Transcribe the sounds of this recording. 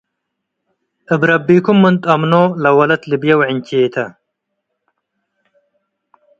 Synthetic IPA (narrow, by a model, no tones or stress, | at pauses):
ɨbɾɐbːiːkumːɨnt̪ʼɐmnoːlɐwɐlɐt̪libjɐwʕint͡ɕeːt̪ʰɐ